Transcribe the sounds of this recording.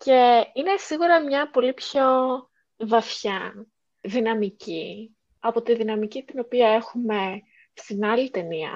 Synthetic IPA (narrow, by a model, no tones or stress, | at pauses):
ce̞inesiɣuɾɐmɲɐpo̞lipço̞ | vɐfçɐ | ðinɐmici | ɐpo̞t̪iðinɐmicit̪ino̞piɐe̞xume̞ | st̪inɐlit̪e̞niɐ̰